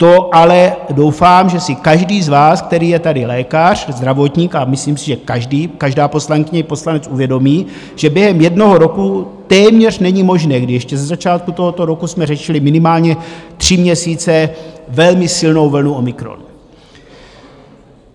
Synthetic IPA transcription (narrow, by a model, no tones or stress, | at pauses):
t̪o̞ʔalɛdo̞wfaːmʒɛsɪkaʒdiːzvaːsk̚t̪ɛɾiːjɛt̪adɪlɛːkar̝̥zd̪ɾavot̪ɲiːkamɪsliːmsɪʒɛkaʒdiːkaʒdaːpo̞slaŋkɪɲɛipo̞slanɛt͡suvjɛdo̞miː | ʒ̥ɛbjɛɦɛmjɛdno̞ɦo̞ɾo̞kut̪ɛːmɲɛr̝nɛɲɪmo̞ʒnɛːɡdɪjɛʃcɛzazat͡ʃaːt̪̚kut̪o̞ɦo̞t̪o̞ɾo̞kusmɛrɛʃɪlɪmɪnɪmaːlɲɛt̪r̝̥ɪmɲɛsiːt͡sɛvɛlmɪsɪlno̞wvl̩nuo̞mɪkɾo̰n